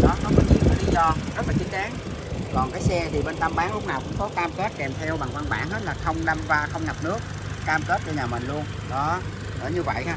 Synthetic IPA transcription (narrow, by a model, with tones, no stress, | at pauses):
ɗɔ˨˦kɔ˨˦fɔ˨˩t͡ɕḭ˨˧˩kɔ˨˧˦li˨˦zɔ˧zə˦˥t̚laː˨˩t͡ɕï˨˦ŋ̟ɗaː˨˦ŋ | kɔ˨˩nkaː˨˦jsɛ˧t̪ʰi˨˩ɓe˧nt̪a˧mɓaː˨˦ŋlʊ˦˥k͡p̚naː˨˩wkʊ̰˧˥ŋ͡mkɔ˨˦kaː˧mkə˦˥t̚kɛ˨˩mt̪ʰɛ˧wɓa˨˩ŋva˧nɓa̰ː˧˩nɦe˦˥t̚laː˨˩xə˧wŋ͡mɗa˧mvaː˧xə˧wŋ͡mŋa˨˩p̚nɨ˦˥ək̚ | kaː˧mkə˦˥t̚t͡ɕɔ˧ɲaː˨˩mï˨˩ŋ̟lu˧ən | ɗɔ˨˦ | ə̰ː˧˩˦ɲɨ˧və̰˧˨jxaː˧˦